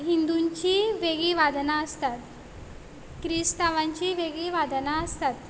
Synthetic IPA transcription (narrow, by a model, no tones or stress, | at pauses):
ɦind̪uɲt͡ɕiʋeɡiʋad̪naəst̪at̪ | kɾist̪aʋaɲt͡ɕiʋeɡiʋad̪naəst̪at̪